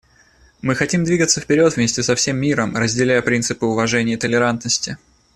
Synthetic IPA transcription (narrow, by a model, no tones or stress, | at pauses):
mɨxɐtʲimd̪vʲiɡət̪sːəfpʲɪɾʲo̞t̪vmʲesʲtʲɪsɐfsʲe̞mːʲiɾəmrəzʲdʲɪlʲæjəpɾʲint̪sɨpɨʊvɐʐɛnʲɪjət̪əlʲɪɾant̪nəsʲtʲɪ